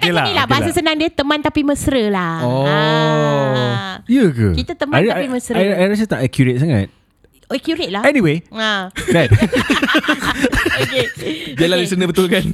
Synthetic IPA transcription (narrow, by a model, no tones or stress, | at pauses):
kəlanilabaalsəsənaŋdiət̪əmãnt̪apiməsɾəlaɔ | jəkə̰it̪at̪əmaaimə̃sɾəaajɾas̬ət̪aʔɛkjuɾet̚saŋa̰t̪̚ | ɛkjuɾet̪̚laɛniweadɛn | oked͡ʒɛlalisənəbət̪ʊlkan